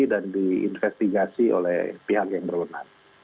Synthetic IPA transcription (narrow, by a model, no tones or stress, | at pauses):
idandiḭnfɛst̪iɡasio̰lɛ̰hpiɦakjaŋbərbənar